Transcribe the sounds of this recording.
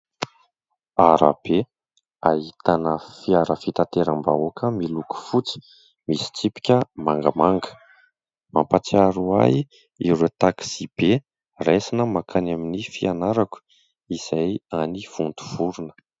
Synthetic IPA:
aɾa̰b̥e | aɦit̪anəfiaɾəfit̪at̪eɾambaokʰəmiluku̥fut͡si̥ | misi̥t͡sipi̥kʲəmaŋɡəmaŋɡə̥ | mampat͡siaɾua̰j | iɾet̪akz̥ib̥e | resinəmakʰanaminifianaɾaku̥ | iz̥ajaniv̥unt̪u̥v̥uɾunə̥

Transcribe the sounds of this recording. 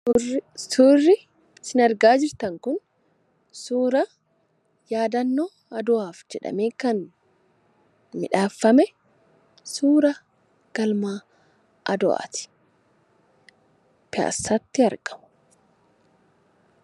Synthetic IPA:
suːrːɪ | sɪnɐɾɡaːd͡ʒɪɾt̪ɐŋkʊn | suːɾɐ | jaːd̪ɐnːoː | ɐd̪ɔaːfd͡ʒɛᶑɐ̰me̞ːkɐn | mɪᶑaːfːɐmɛ | suːɾɐ | ɡ̥ɐlmaː | ʔɐd̪ɔʔa̰ːt̪ɪ̥ | pɪa̰ːsːat̪ːɪɐɾɡɐ̥mɐ̥

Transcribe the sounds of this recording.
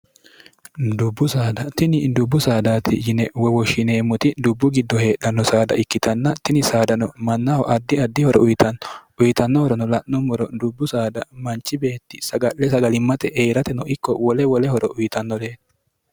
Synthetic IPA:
d̪ʊbːʊsaːd̪ɐt̪ɪnɪd̪ʊbːʊsaːd̪aːt̪ɪjɪnɛwɔwɔʃɪne̞ːmːʊt̪ɪd̪ʊbːʊɡɪd̪ːɔhe̞ːɗɐnːɔsaːd̪ɐ̰ʔɪkːɪt̪ɐnːɐt̪ɪnɪsaːd̪ɐnɔmɐnːawɔ̰ʔɐd̪ːɪɐd̪ːɪhɔɾʔɔʔʊjɪt̪ɐnːɔʊjɪt̪ɐnːɔhɔɾɔnɔlɐʔnɔmɔɾɔd̪ʊbːʊsaːd̪ɐmɐnt͡ʃːɪbe̞ːt̪ːɪsɐɡɐʔːɛsɐɡɐlɪmːɐt̪ʼɛʔejɾɐt̪ɛnɔʔɪkːɔwɔlɛwɔlɛhɔɾɔ̰ʔʊjɪt̪ɐnːɔleː

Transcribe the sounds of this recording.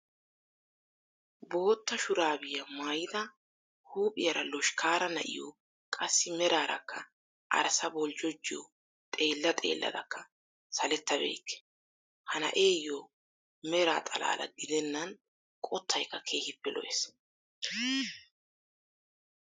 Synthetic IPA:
bo̞ːt̪ːɐʃʊɾaːbɪjɐmaːjɪd̪ɐ | huːpʼɪjɐɾɐlɔʃkʰaːɾɐnɐ̰ʔɪ̰jɔ̰ | kʼɐsːɪmɛɾaːɾɐ̰kːɐ | ʔɐ̰ɾsɐbɔld͡ʒɔd͡ʒːɪjɔ̰ | t̪ʼe̞ːlːɐt̪ʼe̞̰ːlːɐ̰d̪ɐ̰kːɐ | sɐlɛt̪ːɐbḛːkːɛ̥ | hɐnɐ̰ʔe̞ːjːo | mɛɾa̰ːt̪ʼɐla̰ːlɐ̰ɡɪd̪ɛnːɐn | kʼɔt̪ʰːɐjkːɐkʰe̞ːhɪbːɛlɔ̰ʔes

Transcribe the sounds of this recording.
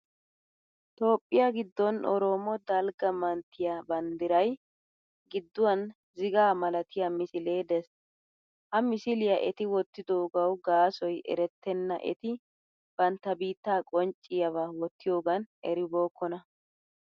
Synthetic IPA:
t̪o̞ːpʼːɪjaɡɪd̪ːɔnɔ̰ɾoːmɔd̪ɐlɡɐmɐnt̪ːɪjabɐnd̪ɪɾɐj | ɡɪd̪ːʊwɐn | zɪɡaːmɐlɐt̪ʰɪjamɪsɪleːd̪ɛs | hɐmɪsɪlɪjɐʔɛt̪ɪwɔt̪ːɪd̪oːɡɐwɡaːsɔjʔɛ̰ɾɛt̪ːɛnːɐ̰ʔɛ̰t̪ɪ | b̥ɐnt̪ːɐbiːt̪ːaːkʼɔnt͡ʃʼːɪjɐvaːwɔt̪ʰːɪjo̞ːɡɐnɛɾɪbo̞ːkːɔnɐ

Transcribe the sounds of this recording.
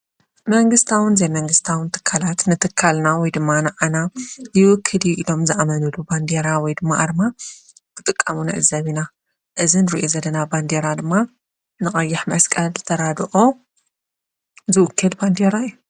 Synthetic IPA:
mɐŋɡɨst̪ʰawɨnzejmɐŋɡɨst̪ʰawɨnt̪ʰɨ̥kʰːalat̪nɨt̪ʰɨkʰːalnawɔjd̪ɨmːanɨʕanajjɪwʊkʰːɨliʔilo̞mzɨʔamɐnuluband̪eɾawɔjd̪ɨmːaʔaɾɨma | b̥ʰɨt̪ʼɨkʼːamunɨ̰ʕɨzɐβina | ʔɨzinɨɾiʔozɐlːɐnaband̪eɾad̪ɨmːa | nɨχʼɐjːɪħmɐskʼɐlzɨt̪ʰɐɾad̪ʔo̞ | zɨʔʊkʰːɨlband̪eɾaijːu

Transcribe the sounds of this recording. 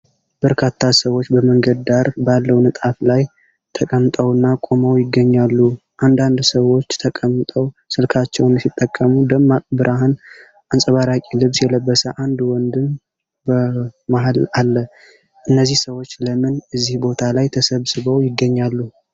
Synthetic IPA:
b̥əɾkʰat̪ʰːasəwot͡ʃːbəməŋɡəd̪d̪aɾbalːəwnɨt̪ʼaflaj | t̪ʰəkʼəmt̪ʼəwɨnːakʼo̞məwjɪɡːəɲːalːu | ʔand̪and̪səwo̞t͡ʃːt̪ʰəkʼəmːt̪ʼəwsɨlkʰat͡ʃːɛwnɨsit̪ʼːəkʼːəmud̪əmːabɨɾʔaɦan | ʔansʼəβaɾakʼilɨβsjɛləbːəsəʔand̪wɔnd̪ɨm | bəmaɦalalːə | ʔɨnːəzːihsəwo̞t͡ʃːləmɨnɨzːihbo̞t̪ʰalajt̪ʰəsəβsɨβəwjɪɡːəɲːalːu

